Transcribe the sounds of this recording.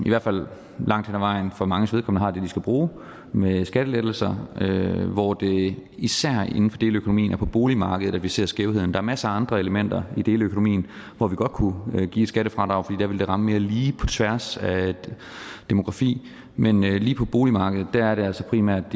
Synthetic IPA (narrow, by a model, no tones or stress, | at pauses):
iʋæɐ̰̥fæl̰ | lɑ̈ŋ̰d̥henæʋɑ̈ɪ̰n̩fɒ̽mɑ̈ŋəsʋeð̞ˠkʰɒmn̩ˠɐhɑ̈d̥e̝d̥isɡ̥æb̥ʁuː | mesɡ̥æɾ̥əled̥l̩sɐøʋɒd̥e̝isæɐ̰e̝n̩fɒ̽d̥e̝ːləøkʰo̝nomḭːnæɐpʰɒ̽b̥o̝ːlimɑ̈ːɡ̥əð̩ˠædʋise̝̰ɐsɡ̥eʊhe̝ð̞̰ˠn̩d̥ɑ̈æɐmæsəɑ̈nd̥ʁɐe̝ləmen̰d̥ɐid̥e̝ːləøkʰonomḭːn̩ | ʋɒʋiɡ̥ɒ̽d̥̚kʰuɡ̥ḭ̥ːsɡ̥æɾəfʁɑ̈d̥ʁɑ̈ʊfɒd̥ḭːd̥æɐʋe̝ld̥e̝ʁɑ̈məme̝ːɐliːpʰɒ̽t͡sʰʋæɐsæ | d̥emo̝ɡ̥ʁɑ̈fḭː | menøliːpʰɒ̽b̥o̝ːlimɑ̈ːɡəð̩ˠd̥æɐæɐɾe̝ælsɒpʰʁimæɐ̰d̥